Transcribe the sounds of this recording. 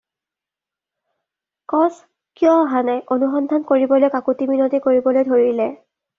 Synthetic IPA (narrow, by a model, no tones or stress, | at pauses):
kɔs | kijɔ̃ɦanɛʔonuxɔndʱankoɹibɔlojkakutiminotikoɹibɔlojdʱoɹilɛ